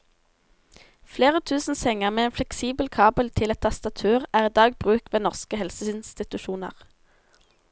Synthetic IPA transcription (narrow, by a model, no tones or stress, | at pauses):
fleːʁət̪ʰʉːsn̩sɛŋəʁmeːeːnflɛksiːbəlkʰɑːbəlt̪ʰɪlɛt̪ʰːɑst̪ɑt̪ʰʉːʁæːʁiːd̪ɑːɡbʁʉːkʋeːnɔʁskəhɛlsəɪnst̪ɪt̪ʉʃuːnə̰ʁ